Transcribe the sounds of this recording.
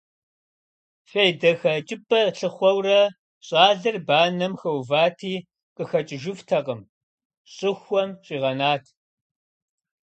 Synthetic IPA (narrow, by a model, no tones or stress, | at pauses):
fɐjdɐxɐt͡ʃʼɪpʼɐɬɨχʷɔwrɐ | ɕʼaːɮɨrbaːnɐmxɐwvaːtʰiː | qəxɐt͡ʃʼɪʒʊftʰɐqʼəm | ɕʼɪxʷɔmɕʼiːʁɐnaːtʰ